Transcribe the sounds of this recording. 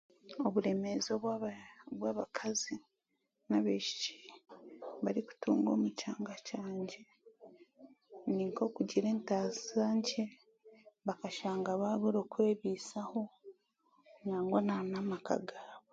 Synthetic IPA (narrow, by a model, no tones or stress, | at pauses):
oβuɾe̞me̞zoβ | βwaːβakʰazi | naβeʃi̥ci̥ | βaɾiku̥tuːŋɡo̞̰ːmucaːŋɡacaːɲɟe̞ | niŋko̞kuɟiɾe̞ːntaːzaːɲce | βakaʃaːŋɡaβaːɡuɾo̞ːkwe̞ːβiːsaho̞ | ɲaːŋɡwananamaka̰ɡaβo